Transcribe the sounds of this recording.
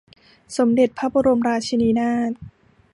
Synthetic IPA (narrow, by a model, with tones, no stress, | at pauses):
so˩˦mde˨˩t̪̚pʰa˦˥p̚u˧ɾo˧mɾaː˧t͡ɕʰi˧niː˧˦˥naː˥˩t̪̚